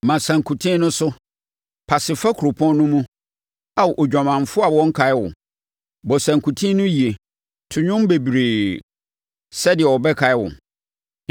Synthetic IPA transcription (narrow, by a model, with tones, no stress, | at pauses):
mã˨sã˨ŋkʰu˨tʰĩ˦nʊ̃˦sʊ˦ | pʰa˨sɪ˨fa˦kʰɾʊ˨pʰɔ̃˦n˦nʊ̃˦mũ˦ | a˨wʔɔ˨d͡ʑᶣa˨mã˨ɱ˨fʊ˦a˨wɔ̃˦ŋ̩˦kʰa˨ɪ˦wʊ̰̃˨ | bɔ˨sæ̃˨ŋkʰu˨tʰĩ˦nʊ̃˦ji˨e˨ | tʰʊ˨ɲᶣʊ̃˦m˦be˨bi˨ɾe˨ | sɛ˦dɪ˨ɛ˨ɔ˨bɛ˦kʰa˨ɪ˦wʊ̰̃˨